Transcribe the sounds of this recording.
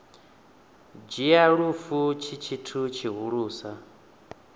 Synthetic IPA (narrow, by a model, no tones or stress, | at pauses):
d͡ʒijaɺufut͡ʃʰit͡ʃʰitʰut͡ʃʰiɦuɺuːsa